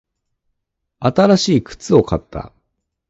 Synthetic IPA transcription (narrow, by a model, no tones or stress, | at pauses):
at̪aɾaɕiːkɯ̟̥t͡sɨo̞kat̪ːa̰